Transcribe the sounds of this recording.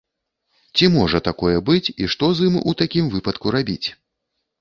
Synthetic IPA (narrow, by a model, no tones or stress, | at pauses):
t͡sʲimɔʐɐt̪akɔjɛbɨt͡sʲiʂt̪ɔzɨmut̪akʲimvɨpɐt̪kuɾabʲḭt͡sʲ